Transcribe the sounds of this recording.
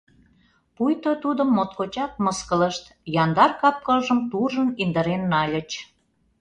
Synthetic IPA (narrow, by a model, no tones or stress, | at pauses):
pujt̪ot̪ud̪əmːot̪kot͡ɕɑk̚məskələʃt̪ | jɑnd̪ɑrkɑp̚kəlʒəmt̪uʒənind̪əɾenːɑlʲət͡ɕ